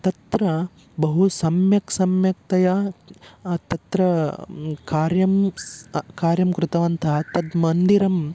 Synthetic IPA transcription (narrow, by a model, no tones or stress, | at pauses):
t̪ɐt̪ɾɐ | bɐɦusɐmjɐksɐmjɐk̚t̪ɐja | t̪ɐt̪ɾɐ | kaːɾjɐm | kaːɾjɐmkɾut̪ɐʋɐnt̪ʰɐɦɐt̪ɐd̪mɐnd̪iɾɐm